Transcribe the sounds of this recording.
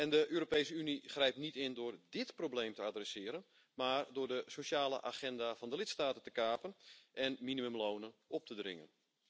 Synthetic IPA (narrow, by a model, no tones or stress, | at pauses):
ɛndəʔøːɾopejsəyniχrɛjp̚nitɪndʊːrdɪtprowbleːmtəadrɛsɪːəɾən | maːrdʊːrdəsoʃaːlə̰ʔaːχɛndavɔndəlɪtstaːtəntə̥kaːpənʔɛnminimømloːnənʔɔp̚tʰədrɪ̰ŋə̰n